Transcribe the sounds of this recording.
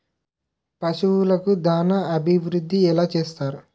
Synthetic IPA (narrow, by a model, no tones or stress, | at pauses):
pɐsuwulɐkud̪aːnɐɐbʱiʋɾud̪ʱːiɛlaːt͡ʃeːst̪aːɾu